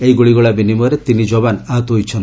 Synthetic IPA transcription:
ejɡuɭiɡɔɭabinimɔɾet̪inid͡ʒɔβanaɦɔt̪ɔɦojt͡ʃʰɔn

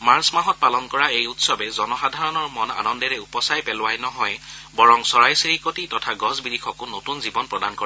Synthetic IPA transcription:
maɹsmaɦɔt̚palɔnkɔɹaejutsɔbɛzɔnɔxadʱaɹɔnɔɹmɔna̰nɔndɛɹɛupɔsajpɛlʊwajnɔɦɔjbɔɹɔŋsɔɹajsiɹikotitɔtʰaɡɔzbidikʰɔkʊnotunzibɔnpɹɔdankoɹa

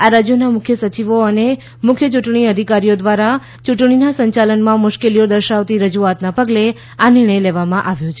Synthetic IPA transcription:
aɾad͡ʒjonamʊkʰjəsət͡ʃiʋoəne | mʊkʰjət͡ʃuʈɳ̃iəd̪ʱikaɾijod̪ʋaɾa | t͡ʃuʈɳ̃inasəɲt͡ʃalənmãmʊʃkelijod̪əɾʃaʋt̪iɾəd͡ʒuat̪napəɡle | anɪɾɳ̃əjleʋamãʔaʋjõt͡ʃʰe

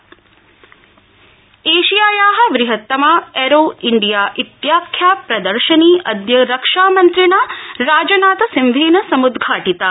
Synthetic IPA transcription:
eːʃijaːjaːɦɐ̆ʋɾiɦɐt̪ːɐmaːeɾoːiɳɖijaːʔit̪jaːkʰːjaːpɾɐd̪ɐɾʃɐniːʔɐd̪jɐɾɐkʂaːmɐnt̪ɾinaːɾaːd͡ʒɐnaːt̪ɐsimʋʱiːnɐsɐmud̪ɡʱaːʈit̪aː

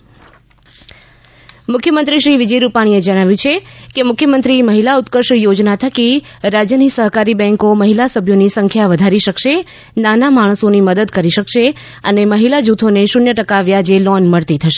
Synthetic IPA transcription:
mʊkʰjəmənt̪ɾiʃɾiʋɪd͡ʒəjɾupaɽ̃ied͡ʒəɽ̃aʋjũt͡ʃʰekemʊkʰjəmənt̪ɾiməɦilaut̪kəɾʃjod͡ʒnat̪ʰəkiɾad͡ʒjənisəɦkaɾibɛ̃ŋkoməɦilasəbʱjonisəŋkʰjaʋəd̪ʱaɾiʃəkʃe | nanamaɽ̃əsoniməd̪əd̪kəɾiʃəkʃe | əneməɦilad͡ʒut̪ʰoneʃʊnjəʈəkaʋjad͡ʒelɔnməɭt̪it̪ʰəʃe̥

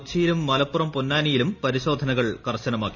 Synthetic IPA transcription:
t͡ɕːijilumːɐlɐpːurɐmpunːaːnijilumpɐɾiɕo̞ːd̪ʱɐnɐɣɐɭkɐrɕɐnɐmaːkːi

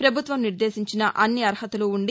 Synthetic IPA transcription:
pɾɐbʱut̪ʋɐmniɾd̪e̞ːsiɲt͡ʃinɐʔɐnːiɐɾhɐt̪uluuɳɖi

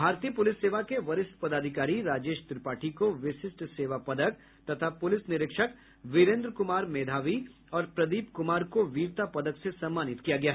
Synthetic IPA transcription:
bʱaːɾt̪iːəpʊlɪsːeːʋakeʋɐɾɪst̪pɐd̪aːd̪ʱɪkaːɾiɾaːd͡ʒeːʃt̪ɪɾɪpaːʈʰikoʋɪʃɪsʈseːʋapɐd̪ək̚ | t̪ɐt̪ʰapʊlɪsnɪɾɪkʃək | ʋɪɾẽːnd̪ɾkʊmaːɾmeːd̪ʱaːʋi | ɔːɾpɾɐd̪iːpkʊmaːɾkoʋiːɾt̪apɐd̪əksesɐ̃mːaːnɪt̪kijaɡɐjaɦ

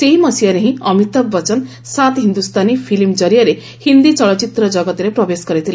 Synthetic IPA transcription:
seɦimɔsiaɾeɦĩʌmit̪ɔbːɔt͡ʃɔn | sat̪ɦind̪ust̪anipʰilimd͡ʒɔɾijaɾe | hind̪it͡ʃɔɭɔt͡ʃit̪ɾɔd͡ʒɔɡɔt̪ɾepɾɔbeskɔɾit̪ʰil

